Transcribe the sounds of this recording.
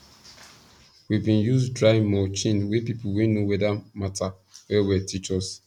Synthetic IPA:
wibĩnjusdɹaɪmɔt͡ʃĩnwepipuwenowɛdamata | wɛwɛtʰit͡ʃɔs

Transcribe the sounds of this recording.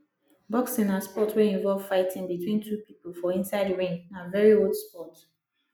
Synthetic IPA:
bɔksĩnãspɔtweĩɱvɔlv̥faɪtʰĩŋbitʰwĩntʰupipəlˠfɔĩnsaɪdɹẽnãnvɛɹiodspɔt

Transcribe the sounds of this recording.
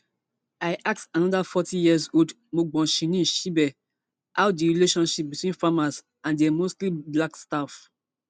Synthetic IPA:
aɪʔak̚tanɔdafɔtĩjiɛzod | moɡ͡bɔ̃ʃĩnĩʃibɛ | aʊdiɹileʃɔ̃nʃip̚bitwĩnfamas | ãndɛmostliblakstaf

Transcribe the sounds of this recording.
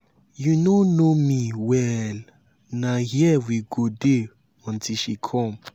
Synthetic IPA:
junonomiwɛl | nahiɛwiɡode | ɔ̃ntʰilʃikʰɔ̃m

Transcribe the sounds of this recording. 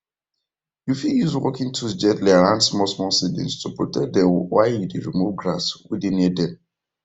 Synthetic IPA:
jufiljuzwɔ̰kĩŋtʰusd͡ʒɛtliaɹãnsmɔsmɔsidɛ̰̃nstupɹɔtɛk̚dɛ̃wajjudeɹimuvɡɹaswidĩnɛdɛ̃n

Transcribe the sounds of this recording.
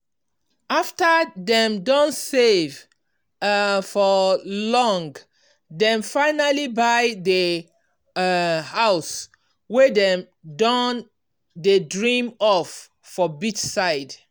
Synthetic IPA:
aftəðɛ̃mdɔ̃ntsev | fɔlɔ̃ŋɡ | dɛ̃nfaɪnalibaɪdə | haʊs | wɛðɛ̃m | dɔn | dedɹĩmɔfː | ɔbit͡ʃsaɪd

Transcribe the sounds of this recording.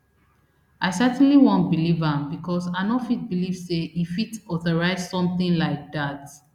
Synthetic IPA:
ʔaɪsɛtn̩liwɔ̃nt̚bilivãmbikʰɔsãnɔfit̚bilivseʔifitɔθɔɹaɪzsɔ̃mθɪ̃ŋlaɪk̚dat

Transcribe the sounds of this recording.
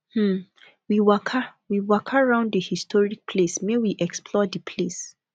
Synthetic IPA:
mm̩ | wiwɔkʰawiwɔkʰaɹãʊ̃nddəhistʰɔɹik̚pʰlesmewiʔɛkspʰlɔdipʰles

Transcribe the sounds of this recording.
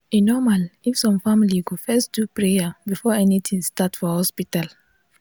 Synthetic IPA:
inɔmalifsɔ̃mfamiliɡofɛstdupɹejabifɔɛnit̪ʰĩŋstatfɔhɔspital

